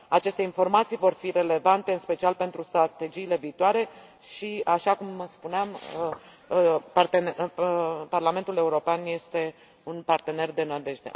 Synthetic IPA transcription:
at͡ʃe̞st̪e̞info̞rmat̪sijvo̞rfire̞le̞vant̪e̞ɨnspe̞t͡ʃialpe̞nt̪ɾust̪ɾat̪e̞d͡ʒiːle̞viːt̪oaɾe̞ | ʃiaʃakumspuneam | part̪en | parlame̞nt̪ule̞uɾo̞peanje̞st̪e̞ | unpart̪e̞ne̞rd̪e̞nad̪e̞ʒd̪ḛ

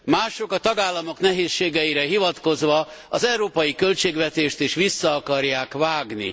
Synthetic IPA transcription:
maːʃo̞kɒt̪ɒɡaːlːɒmo̞knɛɦeːsʃeːɡɛiɾɛɦivɒt̪ko̞zʋɒ | ɒzɛwɾoːpɒjikø̞lt͡ʃeːɡʋɛt̪eːʃt̪iʃʋisːɒːkɒrjaːkvaːɡnḭ

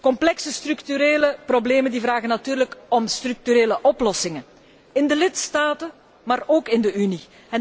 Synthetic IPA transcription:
kɔmplɛksəst̪ryktyɾeːləprobleːməndiːvraːɣənatyːɾləkɔmstryk̚tyɾeːləʔɔplɔsɪŋə | ɪndəlɪtstaːtə | maːroːkɪndəyni | ɛ

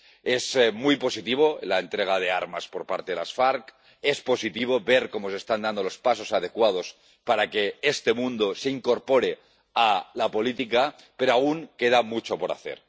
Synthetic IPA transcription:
ezmujpo̞sit̪iβ̞o̞ḛlaent̪ɾeɣ̞að̞eaɾmaspoɾpaɾt̪eðelasfaɾk | espo̞sit̪iβ̞o̞βeɾko̞mo̞sest̪and̪and̪o̞lo̞spaso̞sað̞e̞kwað̞o̞s | paɾakeest̪e̞mũnd̪oseiŋko̞ɾpo̞ɾe | alapo̞lit̪ika | peɾoauŋke̞ð̞amut͡ʃopo̞ɾa̰θḛɾ

